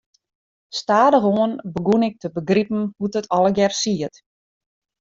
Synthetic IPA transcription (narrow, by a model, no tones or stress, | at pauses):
staːdəxoənbəɡunɪk̚tʰəbəɡripn̩hutətʰɔləɡjɛrsiət